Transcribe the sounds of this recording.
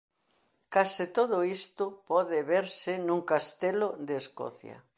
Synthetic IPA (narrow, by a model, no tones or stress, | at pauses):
kasɪt̪oðʊist̪ʊpɔðɪβeɾsɪnũŋkast̪elod̪eːskɔ̰θjɐ̰